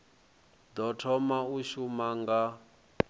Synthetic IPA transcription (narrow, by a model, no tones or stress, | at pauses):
d̪ɔtʰɔmauʃumaŋɡa